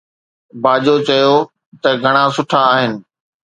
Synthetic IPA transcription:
baːʄot͡ɕɐjo | t̪ɐɡʱɐɽ̃asʊʈʰaːɦɪnɪ̆

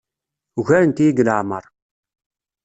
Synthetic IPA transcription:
ʝæɾənt̪ijiɡələʕmə̰ɾˤ

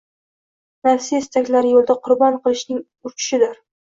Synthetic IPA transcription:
naɾsist̪ʰakʲlaɾjolˠd̪aqʰʊɾbɒnqʰɨlˠɪʃnɪŋ | ʊɾt͡ʃʰɪ̥ʃɪd̪ɪɾ

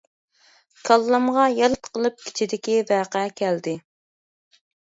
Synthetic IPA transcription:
kʰɑlˠːɑmʁɑjɑlɨt̪qʰəlˠɨp̚kʲʰi̥t͡ʃʰid̪ɪkʲivæːqɛɛkʲʰɛld̪ɪ

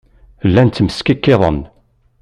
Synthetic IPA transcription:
lːænt̪ːməskikːɪðˤən

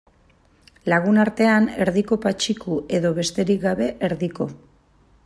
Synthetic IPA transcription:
laɣ̞unaɾt̪e̞ane̞ɾðiko̞pat͡ʃikuʔe̞ðo̞βe̞st̪e̞ɾikɡaβe̞ʔeɾðiko̞

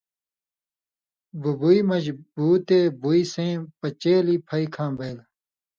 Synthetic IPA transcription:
bubuimɐd͡ʑbuːt̪eːbuisẽːpɐt͡ɕeːlipʰɐikʰãːbeːl

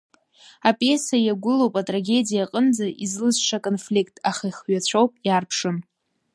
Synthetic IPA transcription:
apʼe̞sajaɡʷʊlo̞wpʼatʼraɡʲe̞dijaqʼənd͡zaʔizlɨzʂakʼonflikʼʰtʰʼaχaiχɥat͡ɕʷʰowpʼjarpʰʂɨm

